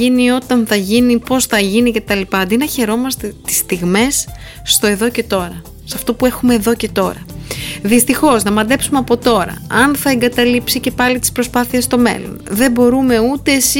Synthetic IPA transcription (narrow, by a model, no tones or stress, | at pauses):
inio̞t̪ɐnθɐʝinipo̞sθɐʝinice̞t̪ɐlipɐɐnd̪inɐçe̞ɾo̞mɐst̪e̞t̪i̥st̪iɣme̞sː | t̪o̞e̞ðo̞ce̞t̪o̞ɾɐ | sɐft̪o̞pue̞xumeːðo̞ce̞t̪o̞ɾɐ̰ðist̪ixo̞znɐmɐd̪e̞psumeɐpo̞t̪o̞ɾɐ̰ɐnθɐeŋɡɐt̪ɐlipsice̞pɐlit̪i̥spɾo̞spɐθiest̪o̞me̞̰lo̞̰nðe̞bo̞ɾume̞ut̪e̞ːsi